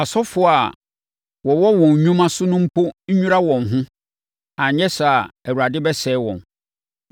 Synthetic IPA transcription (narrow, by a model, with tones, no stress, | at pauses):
a˨sɔ˦fʊ˦a˨ | wɔ̃˨wɔ˦wɔ̃˨ɲ˨ɲᶣũ˦mã˦sʊ˦nʊ̃˦m̩˦pʰo˦ɲ̩˦ɲũ˦ɾa˦wɔ̃˨nɦʊ̃˦ | ã˨ɲɛ̃˦sa˨æ˨wu˨ɾa˨dɪ˦bɛ˦sɛː˨˦wɔ̰̃˨n